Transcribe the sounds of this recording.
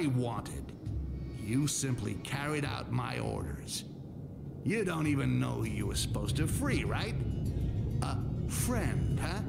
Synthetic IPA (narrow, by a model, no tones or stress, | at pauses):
ɪwɑ̃ntʰɪ̰d̥ | jɨsɪ̃mpʰlḭkʰɛɹiɾa̰ʊt̚maɪʔɔ̰ɹɾə̰˞z̥ | jɨdõʊ̃ntivɨ̃nːoʊjɨə˞sə̥poʊz̥tɨfɹiɹaɪt̚ | əfɹɛ̃nd̥ʌ